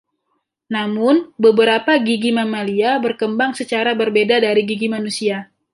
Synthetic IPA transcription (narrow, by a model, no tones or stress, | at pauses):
namʊnbəbəɾapaɡiɡimamaliabərkəmbaŋsət͡ʃaɾabərbedadaɾiɡiɡimanusia